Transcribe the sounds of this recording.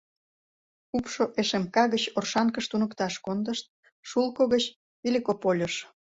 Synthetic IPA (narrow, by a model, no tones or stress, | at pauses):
upʃoʔeʃemkɑɣət͡ɕorʃɑnkəʃt̪unəkt̪ɑʃkond̪əʃt̪̚ | ʃulkoɣət͡ɕ | βilʲikopolʲoʃ